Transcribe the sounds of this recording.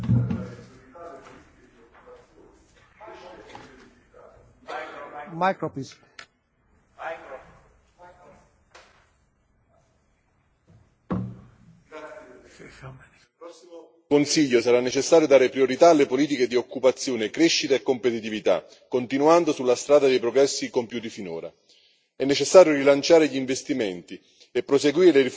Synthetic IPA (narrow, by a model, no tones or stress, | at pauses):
majkɾpis | konsiʎːosaɾanːet͡ʃesːaːɾjod̪aːɾepɾioɾit̪aːlːepoliːt̪̬iked̪iokːupat̪sːjoːnekɾeʃːit̪aekːompet̪it̪ivit̪a̰ | kːont̪inuand̪osulːast̪ɾaːd̪ad̪ejpɾoɡɾɛsːikompjuːt̪ifino̰ːɾa̰ | ɛnːet͡ʃesːaːɾjorilant͡ʃaːɾeʎiɱvest̪iment̪i | epːɾoseɡwiːɾeleɾif